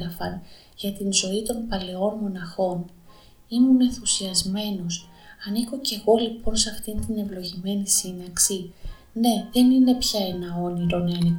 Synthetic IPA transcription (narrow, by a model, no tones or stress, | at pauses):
ɾɐfɐn | ʝɐt̪inzo̞it̪o̞mpɐle̞o̞nmo̞nɐxo̞n | imune̞nθusiɐzme̞no̞s | ɐniko̞ce̞ɣo̞lipo̞nsɐft̪int̪ine̞vlo̞ʝime̞nisinɐksi | ne̞ðe̞nine̞pçɐe̞nɐo̞niɾo̞neɐli